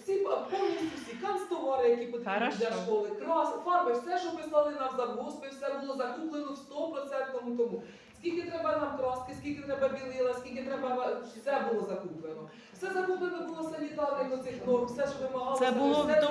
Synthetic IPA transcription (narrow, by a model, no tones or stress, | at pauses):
sʲippɔwnʲistʲuwsʲtʲikɑnst̪ɔʋɔɾɪjɐkʲipɔt̪id̪ɛʃɔlˠɪkɾɑsfɑrmɐwsɛʃt͡ʃɔpɪslˠɑlˠɪnɑmzɐɦuspɪwsɛbulˠɔzɐkuplˠenɔwst̪ɔpɾɔt̪sɛnt̪nɔmut̪ɔmu | skʲilʲkɪt̪ɾɛbɐnɑmkɾɔst̪kɪskʲilʲkɪt̪ɾɛbɐbʲilˠɪlˠɐskʲilʲkʲɪt̪ɾɛbɐɐsɛbulˠɔzɐkuplˠenɔ | wsɛzɐkuplˠenɔbulˠɔsɐnʲik̪ɑd̪ɪnɔt̪sɪxnɔwsɛʃɔʋɪmɐɦɑlˠɪbʊlˠɔsɛ